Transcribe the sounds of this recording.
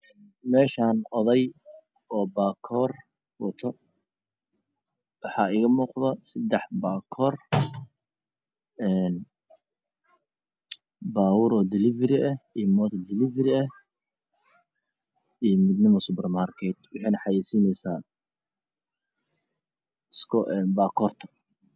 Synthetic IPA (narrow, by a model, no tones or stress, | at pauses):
ɛn | mɛːʃaːnɔðɛj | ɔːbaːkʰɔːr | wɔt̪ʰɔ | wɑħɑːɪɣɐmuːqðɐsɐd̪ɛħbaːkʰɔːr | ɛːn | baːwʊɾɔːd̪ɪlɪvɛɾɪʔɐijmɔːt̪ʰd̪ɪlɪvɛɾɪɐh | ijmɪd̪nɪmɔsʊpɛrmaːrkʰɛd̪̚wɑħɛjnɐħɑjɛːsinɛjsaː | skɔʔɛnbaːkʰɔːrt̪ʰɐ̥